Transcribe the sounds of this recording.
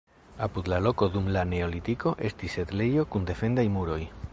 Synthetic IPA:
apud̪lalo̞ko̞d̪umlane̞o̞lit̪iko̞ʔe̞stise̞t̪le̞jo̞kund̪e̞fe̞ndajmuɾo̞j

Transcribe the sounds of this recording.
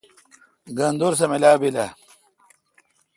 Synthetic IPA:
ɡɐnd̪oɾs̬ɐmelaːbilɐ

